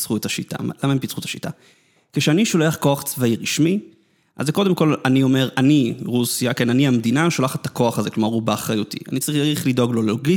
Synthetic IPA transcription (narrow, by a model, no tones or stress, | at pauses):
t͡sχuet̪aʃita̰lamaimpit͡sχuet̪aʃita̰ | keʃeaniʃo̞leaχko̞aχt͡svaiʁiʃmi | ʔa̰zːeko̞de̞mko̞lanio̞me̞ʁaniʁusiakenaniamd̪inaʃo̞laχatako̞aχaze̞klomaʁubaːχʁajutḭa̰nit͡saʁiχaʁiχlido̞ɡlo̞lelo̞ɡi